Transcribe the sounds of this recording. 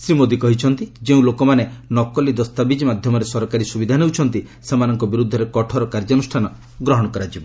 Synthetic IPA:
sɾimod̪ikɔɦit͡ʃʰɔnt̪id͡ʒeũlokɔmanenɔkɔlid̪ɔst̪abid͡ʒmad̪ʱjɔmɔɾesɔɾɔkaɾisubid̪ʱaneut͡ʃʰɔnt̪i | semanɔŋkɔbiɾud̪ʱːɔɾekɔʈʰɔɾɔkaɾd͡ʒɔnusʈʰanɔ | ɡɾɔɦɔɽ̃ɔkɔɾad͡ʒibɔ

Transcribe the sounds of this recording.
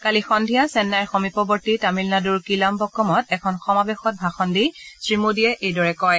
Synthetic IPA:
kalixɔndʱijasɛnːaɹxɔmipɔbɔɹtitamilnaduɹkilambɔkːɔmɔtɛkʰɔnxɔmabɛxɔt̚bʱaxɔndisɹimudijɛʔejdɔɹɛkɔj

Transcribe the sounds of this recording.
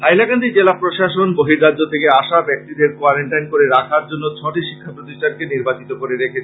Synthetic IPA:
ajlakand̪id͡ʑelapɾoʃaʃonboɦiɾːaːot̪ʰekeaʃabɛk̚t̪id̪eɾkoaɾeɳʈajnkoɾeɾakʰaɾd͡ʑonːot͡ɕʰɔʈiʃi̥kʰːapɾot̪iʃʈaɖ̚keniɾbat͡ɕit̪okoɾeɾekʰet͡ɕʰe

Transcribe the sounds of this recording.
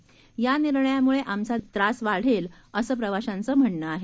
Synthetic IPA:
janiɾɳəjamuɭeʔamt͡sat̪ɾasʋaɽ̤el | əsəːp̬ɾəʋaɕant͡səːm̤əɳːəaɦe

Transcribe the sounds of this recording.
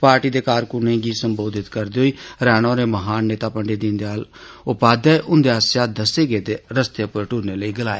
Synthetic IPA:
paːɾʈiːd̪eːkaːɾkʊnẽːɡiːsəmboːd̪ɪt̪kəɾd̪eːɦoiːɾɛːɽ̃õːɾeːməɦaːnːeːt̪aːpəɳɖeːd̪ɪ̃nd̪eaːlʊpaːd̪aːeʔʊnd̪eːasjaːd̪əseːɡeːt̪eːɾəst̪epəɾʈuːɾneːləiːɡəlaːeː

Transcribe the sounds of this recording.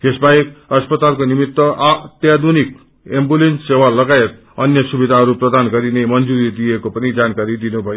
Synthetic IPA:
k̪esbaekʌspʌt̪alkonimit̪wʌʔat̪jad̪unik̚ | embulenssewalʌɡajet̪̚ | ʌnjʌsubid̪ʱaɦʌɾuprʌd̪anɡʌɾinemʌnd͡zuɾid̪ijekopʌnid͡zankaɾid̪inubʱʌjo

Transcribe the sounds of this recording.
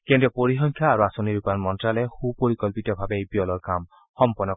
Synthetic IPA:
kɛ̃ntɔpoɹixɔŋkʰjaːɹuasoniɹupanmɔntɹalɛxupoɹikɔlpitɔbʱabɛejbijɔlɔɹkam | xɔmpɔnːɔ

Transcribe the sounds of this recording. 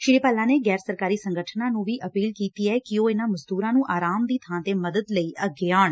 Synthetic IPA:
ʃɪɽiːpaːlãːneːɡɛːɾsəɾkaːɾiːsə̃ŋɡəʈʰnãːnũːʋiːʔəpiːlkiːt̪iːɛːkɪoːɪnãːməzd̪uːɾãːnũːʔaːɾaːmd̪iːt̪ʰãːt̪eːməd̪əd̪ləiːʔəɡeːaːɳ

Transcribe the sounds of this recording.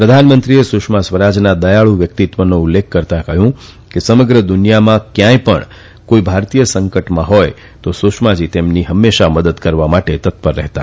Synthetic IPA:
pɾəd̪ʱanmənt̪ɾiesʊʃmasʋəɾad͡ʒnad̪əjaɭũʋjək̚t̪it̪ʋənoʊlːekʰːəɾt̪akəɦjũ | kesəməɡɾəd̪ʊnijamãkjãjpə̰ɳ | koibʱaɾt̪ijəsəŋkəʈmãɦɔj | t̪osuʃmad͡ʒit̪emniɦəmːeʃaməd̪əd̪kəɾʋamaʈet̪ət̪pəɾːɛɦt̪a̰

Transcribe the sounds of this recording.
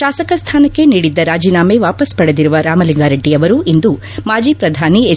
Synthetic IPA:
ʃaːsɐkɐst̪ʰaːnɐkːe̞niːɽid̪ːɐɾaːd͡ʒiːnaːme̞ʋaːpɐspɐɽed̪iɾuʋɐɾaːmɐliŋɡaːɾɐɖːijɐʋɐɾuʔind̪u | maːd͡ʒiːpɾɐd̪ʱaːnie

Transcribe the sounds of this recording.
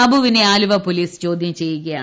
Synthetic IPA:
ɐbuʋineaːluʋɐpoːliːst͡ɕo̞ːd̪ʱjɐmt͡ɕejːuɣɐja̰ː

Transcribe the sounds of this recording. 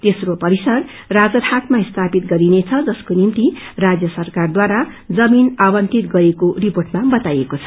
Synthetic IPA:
t̪esropʌɾisʌr | rad͡zʌrhat̪maist̪ʰapit̪ɡʌɾinet͡sʰʌd͡zʌskonimt̪irad͡zjʌsʌrkard̪waɾa | d͡zʌminabʌnt̪it̪ɡʌɾekoriporʈmabʌt̪ajekot͡sʰʌ̥

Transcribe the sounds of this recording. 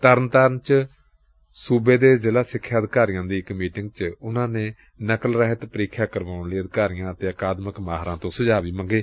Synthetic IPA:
t̪əɾnt̪əɾənt͡ʃ | suːbeːd̪eːzɪlaːsɪkʰːjaːd̪ɪkaːɾɪjãːd̪iːɪkmiːʈɪŋɡt͡ʃʊnãːneː | nəkəlɾəɦət̪pəɾiːkʰjaːkəɾʋaːʊnliːəd̪ɪkaːɾɪjãːt̪eːəkaːd̪məkmaːɦɾã̰ːt̪õːsəd͡ʒaːʋiːməŋɡeː

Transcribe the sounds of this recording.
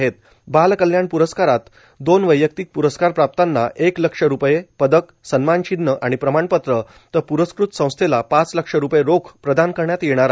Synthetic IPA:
ɦet̪ | balkəljaɳpuɾəskaɾat̪ | d̪onʋəjːək̚t̪ik̚puɾəskaɾpɾap̚t̪anːaʔekləkʂəɾupjepəd̪ək | sənmanɕid̪ːəʔaɽ̃ipɾəmaɳpət̪ɾə | t̪əpuɾəskɾut̪sə̃w̃st̪ʰelapat͡sləkʂəɾupjeɾokʰpɾəd̪ʱankəɾɳjat̪jeɽ̃aɾ

